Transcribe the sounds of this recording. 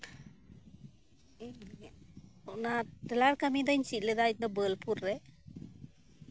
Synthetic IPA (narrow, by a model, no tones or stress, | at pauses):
ɔnadɛlaɾkamid̪əɲsit̪̚lɛd̪at̚nd̪ɔbəlpuɾːɛ